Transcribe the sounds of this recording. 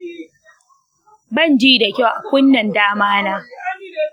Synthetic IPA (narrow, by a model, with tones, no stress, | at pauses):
bɐ˦˨nd͡ʒiː˦da˨kʲa˦wʔa˨kʷʊ˦nːɐ˨ndaː˦maː˦naː˦